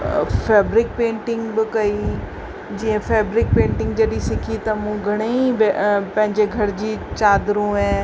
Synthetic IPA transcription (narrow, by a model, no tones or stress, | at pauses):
fɛːbɾɪk̚pẽːɳʈɪ̃ŋɡbɪkɐi | d͡ʑiːə̃fɛːbɾɪk̚pẽːɳʈɪ̃ŋɡd͡ʑɐɗisɪkʰit̪ɐmũɡʱɐɽ̃eibpɐ̃ɦɪ̃ɲd͡ʑeɡʱɐɾd͡ʑiːt͡ɕaːd̪ɾũɦɛ̃ː